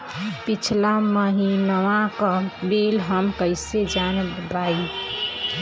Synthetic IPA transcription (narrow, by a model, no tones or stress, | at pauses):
pit͡ʃʰlaməɦinʋãkəbelɦəmkəɪsed͡ʒanbai